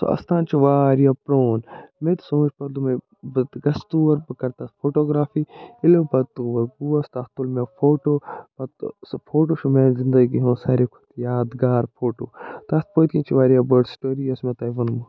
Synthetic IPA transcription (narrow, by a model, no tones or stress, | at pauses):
so̰ʔɐ̰st̪ʰãːnt͡ʃʰiʋaːɾijapɾoːnmẽt̪sõːt͡ʃpɐɾd̪umẽ | bɐt̪ɡɐst̪uɐɾbɨkɐɾt̪aspʰoːʈoːɡɾaːfiːɪlobɐt̪uʋɐɡuɐst̪ɐt̪ulmẽpʰoːʈoːpɐt̪spʰoːʈ̬oːt͡ʃʰumẽːzɪ̃nd̪ɐɡiɦõːsaːɾekʰu̥t̪jaːd̪ɡaːɾpʰoːʈoːt̪ɐst̪̚poːt̪kĩt͡ʃʰiʋaːɾijaːbɐɾɖsʈoːɾiɐsmẽt̪ɐːʋɐnmɐ